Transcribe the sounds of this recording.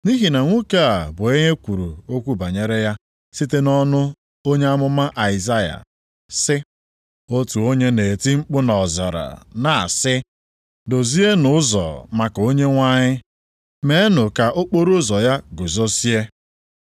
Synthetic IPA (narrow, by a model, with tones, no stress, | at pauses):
ni˦ɦi˨na˨ŋʷu˦ka˦a˨bʊ˨e˦ɲe˦kʷu˨ɾṵ˨o˦kʷu˦ba˨ɲe˦ɾe˦ja˦ | si˦te˦nɔ˦nʊ˦ | o˦ɲe˦a˦mʊ˦ma˦ʔa˨ɪ˨za˦ja̰˨ | sɪ˦ | o˦tu˨o˦ɲe˦ne˨ti˦ŋ͡m̩˦k͡pʊ˦nɔ˨za̰˨ɾa̰˨na˨a̰˨sɪ˦ | do˨zi˦e˦nʊ˦ʊ˦zɔ̰˨ma˨ko˦ɲe˦ŋʷa˦ɲɪ˦ | me˦e˦nʊ˨ka˨ʔo˦k͡po˦ɾo˦zɔ˨ja˦ɡʊ˨zo˦si˦e˦